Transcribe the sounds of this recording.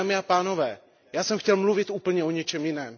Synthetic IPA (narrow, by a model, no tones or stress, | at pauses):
mɪapaːno̞vɛː | jaːsɛmxcɛlmluvɪt̪ʔuːpl̩ɲɛoɲɛt͡ʃɛmjɪnɛːm